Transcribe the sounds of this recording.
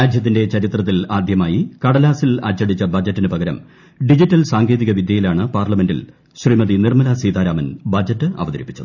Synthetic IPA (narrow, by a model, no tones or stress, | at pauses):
ɾaːdʱjɐt̪̬ːinde̞t͡ɕɐɾit̪rɐt̪̬ːilaːd̪jɐmaːjikɐɽɐlaːsilɐ̰t͡ɕːɐɽit͡ɕːɐbɐd͡ʑɐtːinɨpɐɡɐɾɐ̰m | ɖid͡ʑitːɐlsaːŋɡʰe̞ːðiɣɐʋid̪jɐjilaːɳɨpaːrlɐme̞ndḭl | ɕriːmɐðinirmɐlasiːt̪aːɾaːmɐnbɐd͡ʑɐtːɨʔɐ̰ʋɐðɐɾipːi̥t͡ɕːɐðɨ